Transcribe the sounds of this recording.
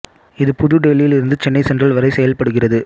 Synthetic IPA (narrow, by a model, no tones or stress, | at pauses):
ɪðɯpʊðɯɖɛlɪjɪlɪɾɯnd̪ɯt͡ʃɛnːɐɪsɛndrɐlʋɐɾɐɪsɛjɐlpɐɽɯɣɪrɐðɯ